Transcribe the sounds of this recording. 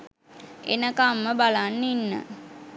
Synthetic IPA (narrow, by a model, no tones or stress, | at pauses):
ḛnəkamːəbalanːinːə̰